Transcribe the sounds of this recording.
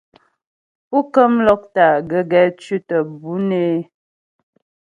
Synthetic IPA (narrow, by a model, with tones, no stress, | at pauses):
pu˦kə˦mlɔ˦k̚ta˨ɡə˨ɡɛ˨t͡ʃʉ˦tə˨bu˨˦ne˦